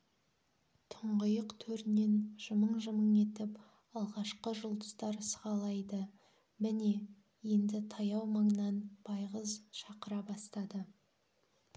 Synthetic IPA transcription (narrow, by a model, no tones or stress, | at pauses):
t̪ʰʊɴʁəjəqt̪ʰɵɾne̞nʒ̥əməɴʒəməɴe̞t̪ɪp | ɑlˠʁɑʃqəʒʊlˠd̪ə̥st̪ɑɾsəʁɑlˠɑjd̪ə | mɪne̞ | je̞nd̪ɪt̪ʰɑjɑwməɴnɑnb̥ɑjʁəzʃɑqəɾɑbɑst̪ɑd̪ə